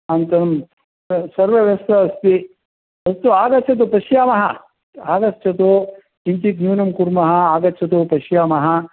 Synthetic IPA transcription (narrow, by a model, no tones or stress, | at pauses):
ɐnt̪ɐnɐm | sɐɾʋɐʋjɐst̪ɐɐst̪i | ɐst̪uaːɡɐt͡ʃʰɐt̪̬upɐʃjaːmɐɦɐ | aːɡɐt͡ʃʰɐt̪u | iɲt͡ʃik̪njuːnɐmkuɾmɐɦɐaːɡɐt͡ʃʰɐt̪̬upɐʃjaːmɐɦɐ̆